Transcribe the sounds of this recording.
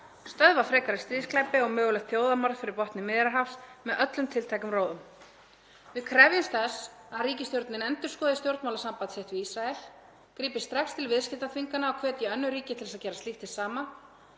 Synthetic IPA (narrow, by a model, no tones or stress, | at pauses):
st̪œðvafɾɛːkaɾɪst̪ɾiːsklajpɪɔɣmœːɣʏlɛxt̪θjoːwðamaɾðfɪɾɪɾpɔht̪nɪmɪːðɾaɾɦafsmɛðʔœt̪lʏmt̪ʰɪlt̪ʰajkʏmroːwðʏm | vɪðkʰɾɛvjɪmst̪θɛs | aðɾiːcɪst̪jowɾt̪nɪnɛnt̪ʏ̥skɔːðɪst̪jowɾt̪mawlasampant̪sejht̪vɪisɾaɛl | kɾiːpɪ̥st̪ɾaxst̪ʰɪlvɪðscɪt̪aθfiŋkanaɔwkʰvɛːt̪jɛœnːʏɾiːcɪt̪ʰɪlsaðcɛːɾast̪iht̪ɪsaːma